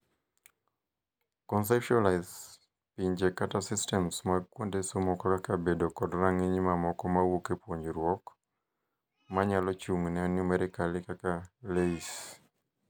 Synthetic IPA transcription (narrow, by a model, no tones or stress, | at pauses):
kɔns̬ɛpʃalaɪz | piɲd͡ʒekatasɪstɛmsmakwondesomɔkɔkakabedokɔdɾaŋiɲimamɔkɔmawokepwoɲɾwɔk | maɲalɔt͡ʃuŋnɛnɪmɛɾɛkalɪkakaleis